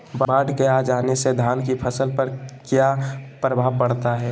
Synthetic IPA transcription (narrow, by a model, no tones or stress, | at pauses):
bbaːɖʱkeaːd͡ʒaːnesed̪ʱaːnkipʰəsəlpəɾkjapɾəbʱaːʋpəɽt̪aɦɛː